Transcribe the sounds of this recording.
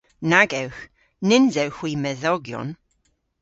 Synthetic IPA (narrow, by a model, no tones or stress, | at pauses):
naɡɛwx | nɪnzɛwxwimɛðɔɡjɔ̰n